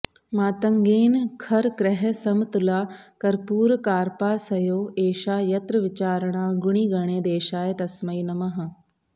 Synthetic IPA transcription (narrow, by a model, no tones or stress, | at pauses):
mãːt̪ɐŋɡeːnkʰɐɾkɾɛɦəsɐmt̪ʊlaːkɐɾpuːɾkaːɾpaːsɐjoːeːʃaːjɐt̪ɾəʋɪt͡ɕaːɾɽ̃ãːɡʊɽ̃iːɡɐɽ̃eːd̪eːʃaːjet̪ɐsmɐiːnɐmɐɦə̃